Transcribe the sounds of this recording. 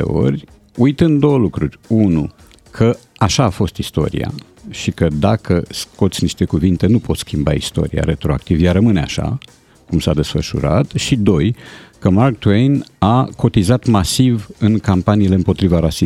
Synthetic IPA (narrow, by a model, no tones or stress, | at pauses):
ḛo̞̰ɾʲ | ujt̪ɨnd̪d̪o̞wəlukɾurʲunu | kʰəaʃaːfo̞st̪ist̪o̞̰ɾḭa̰ | ʃikəd̪akʰəsko̞t̪sʲniʃt̪e̞kuvint̪e̞nupot̪skʲimba̰ist̪o̞̰ɾija̰ɾe̞t̪ɾo̞a̰k̚t̪ivjarəmɨne̞a̰ʃa̰ | kumsad̪e̞sfəʃṵɾat̪ʃid̪o̞jkəmark̚t̪wejnakʰo̞t̪izat̪masivɨŋkampaniːle̞ɨmpo̞t̪ɾivaɾasi